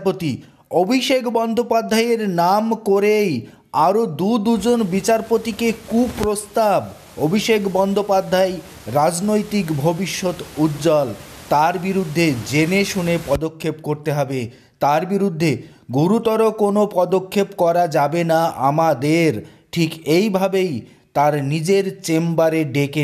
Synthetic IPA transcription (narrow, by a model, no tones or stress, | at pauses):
pot̪i | obʱiʃekbɔnd̪ʱopad̪ʱaeɾnamkoɾej | aɾod̪ud̪ud͡ʑonbit͡ɕaɾpot̪ikekupɾost̪ab | obʱiʃekʰbɔnd̪ʱopad̪ʱːae | ɾad͡ʑnojt̪ikbʱobiʃːot̪ut̪ːd͡ʑɔl | t̪aɾbiɾud̪ʱːed͡ʑeneʃunepɔd̪okʰːepkoɾt̪eɦɔbe | t̪aɾbiɾud̪ʱːe | ɡuɾut̪ɔɾokonopɔd̪okʰːepkɔɾad͡ʑabenaamad̪eɾ | ʈʰikejbʱabej | t̪aɾnid͡ʑeɾt͡ɕembaɾeɖeke